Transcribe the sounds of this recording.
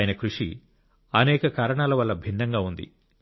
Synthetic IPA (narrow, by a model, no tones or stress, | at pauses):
jɐnɐkɾuʂḭ | ɐnɛːkɐkaːɾɐɳaːlɐʋɐlːɐbʱinːɐŋɡaːund̪ḭ